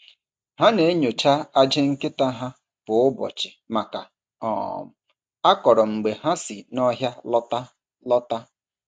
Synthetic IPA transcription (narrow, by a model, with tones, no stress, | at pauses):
ɦa˦ne˨˦ɲo˨t͡ʃa˦a˦d͡ʒe˦ŋ̩˦ke˦ta˦ɦa˦ | b̥ʊ˨ʊ˦bɔ̰˨t͡ʃɪ˨ma˨ka˨ | ɔ̰˨m̩˨ | a˦kɔ˨ɾɔ˨ŋ͡m̩˨ɡ͡be˨ɦa˦sɪ˨nɔ˦ɦja˦lɔ˦ta˦ | lɔ˦ta˦